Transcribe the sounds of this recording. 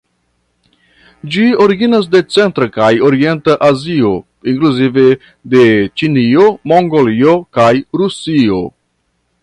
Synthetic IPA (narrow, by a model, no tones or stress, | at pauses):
d͡ʒio̞ɾiɡinas̬de̞t͡se̞ntɾakajo̞ɾie̞ntaʔazio̞ | iŋkluzive̞ | de̞t͡ʃinio̞mo̞ŋɡolio̞kajɾusio̞̰